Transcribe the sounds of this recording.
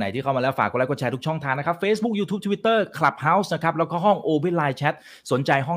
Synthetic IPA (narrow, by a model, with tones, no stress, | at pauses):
na̰˨˩˦t̪ʰiː˥˩kʰa˥˩ma˧lɛː˦˥wfa̰ː˨˩k̚ːlɛː˦˥kɔː˥˩t͡ɕʰɛː˧t̪ʰu˦˥kt͡ɕʰɔ˥˩ŋt̪ʰaː˧nːa˥kʰa˦˥p̚feː˦˥sbu˦˥k̚juː˧t̪ʰuː˦˥t̪ʰwi˦t̪ːɤː˥˩kʰla˨˩p̚ha˦˥wsna˦˥kʰa˦˥p̚lɛː˦˥wkʰɔː˦˥˩ɦɔ˥˩ŋʔoː˧we˦˥˩laː˧jt͡ɕʰɛ˦˥t̪̚ | su˨˩˦nt͡ɕa˧jɦɔ˥˩ŋ